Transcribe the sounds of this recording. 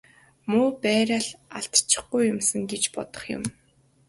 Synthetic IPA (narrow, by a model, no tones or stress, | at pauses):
muːpæːɾʲaːɮaɬt̪t͡ɕɪ̥̆χɡujːʊmsə̆ŋɡet͡ɕpɔt̪ɞ̆χjʊ̰m